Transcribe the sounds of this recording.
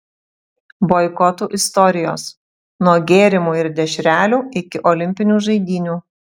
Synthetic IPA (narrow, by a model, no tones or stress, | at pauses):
bɔɪkɔt̪uːʔɪst̪ɔɾʲɪjoːs | nuɔɡʲeːɾʲɪmuːɪɾd̪ʲɛʃʲɾʲæːlʲuːɪkʲɪʔɔlʲɪmʲpʲɪnʲuːʒɐɪd̪ʲiːnʲuː